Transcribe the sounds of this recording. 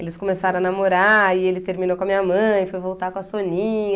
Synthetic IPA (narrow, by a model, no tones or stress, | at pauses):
elɪskomesaɾɐ̃ɐnamoɾaɪelɪt̪eɾminowkõɐmĩɲɐmɐ̃j̃fojvowt̪akõɐsonĩɲɐ